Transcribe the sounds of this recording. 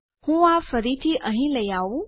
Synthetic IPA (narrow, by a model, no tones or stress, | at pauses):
hũːafəɾit̪ʰiʔəɦĩlɐjaːu